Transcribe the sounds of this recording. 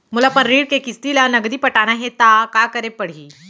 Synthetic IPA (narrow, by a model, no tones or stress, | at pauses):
mʊlɐpənɾiːɽkekɪst̪ilanɐɡd̪ipɐʈaːnaɦẽt̪akakəɾepɐɽ̤iː